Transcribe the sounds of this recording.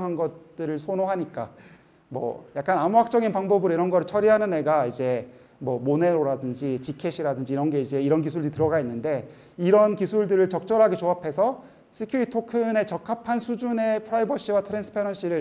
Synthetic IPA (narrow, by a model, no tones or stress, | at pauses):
ŋɦanɡʌt̚t͈ɯɾɯɭsʰonoɦaɲik͈a̰ | mwʌ̰jak͈̚anamuɦak̚t͡ɕ͈ʌɡinpaŋbʌbɯɾoiɾʌnɡʌɾɯɭt͡ɕʰʌɾiɦanɯnːe̞ɡaid͡ʑe̞ | mwʌmone̞ɾoɾadɯnd͡ʑit͡ɕikʰe̞ɕʰiɾadɯnd͡ʑiːɾʌnɡe̞id͡ʑe̞iɾʌnk̬isʰuɭdɯɾitɯɾʌɡainːɯnde̞ | iɾʌnkisʰuɭdɯɾɯɭt͡ɕʌk̚t͡ɕ͈ʌɾɦaɡet͡ɕoɦapʰe̞sʰʌ | sʰɯkʰjuɾitʰokʰɯne̞t͡ɕʌkʰapʰansʰud͡ʑune̞pʰɯɾaibʌɕ͈ʰiwatʰɯɾansʰɯ̥pʰaɾʌnɕʰiɾɯɭ